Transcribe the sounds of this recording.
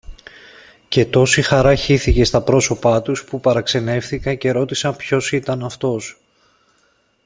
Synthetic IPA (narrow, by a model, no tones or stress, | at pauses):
ce̞t̪o̞sixɐɾɐçiθice̞st̪ɐpɾo̞so̞pɐt̪uspupɐɾɐkse̞ne̞fθikɐce̞ɾo̞t̪isɐmpço̞sit̪ɐnɐft̪o̞s